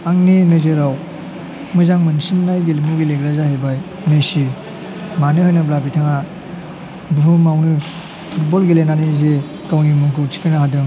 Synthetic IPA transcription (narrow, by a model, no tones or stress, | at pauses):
aŋninɯzeɾaw | mɯzaŋmɐnsinnajɡilimuɡileɡɾazahajbaj | mesi | manɯhɔjnɐblabitʰaŋa | bɾumawnɯ | pʰut̚bolɡilenanize | kawnimɐŋkʰɯwtʰi̥kɯnaɦadɯŋ